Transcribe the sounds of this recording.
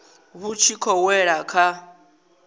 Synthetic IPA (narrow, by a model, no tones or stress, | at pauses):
βut͡ʃʰikʰɔwɛɺakʰa